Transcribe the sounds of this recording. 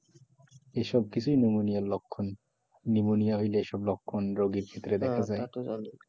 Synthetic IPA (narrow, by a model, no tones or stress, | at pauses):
eʃɔb̚kit͡ɕʰujnumunijallokʰːonː | imunijaɦojleeʃɔblɔkʰːonɾoɡiɾkʰet̪ːɾed̪ɛkʰad͡ʑae